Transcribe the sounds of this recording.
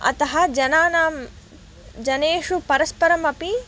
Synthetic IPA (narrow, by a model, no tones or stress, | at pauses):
ɐ̰t̪ɐɦɐd͡ʒɐnaːnaːm | d͡ʒɐneːʂupɐɾɐspɐɾɐmɐpi